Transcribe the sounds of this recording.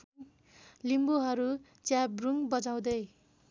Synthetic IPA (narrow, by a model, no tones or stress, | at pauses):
limbuɦʌɾu | t͡sjabruŋbʌd͡zaw̃d̪ʌj